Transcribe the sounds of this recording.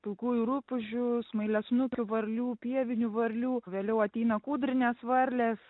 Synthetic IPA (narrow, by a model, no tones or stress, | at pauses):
pʲɪlˠkuːjʊɾʊpʊʒʲʊsmɐɪlʲɛsnʊkʲʊʋɐɾʲlʲuːpʲiɛʋʲɪnʲʊʋɐɾʲlʲuːʋʲeːlʲɛʊɐt̪ʲɛɪnɐkuːd̪ɾʲɪnʲɛsʋɐɾʲlʲes